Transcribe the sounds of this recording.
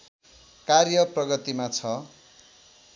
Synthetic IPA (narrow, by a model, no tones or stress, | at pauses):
karjʌprʌɡʌt̪imat͡sʰʌ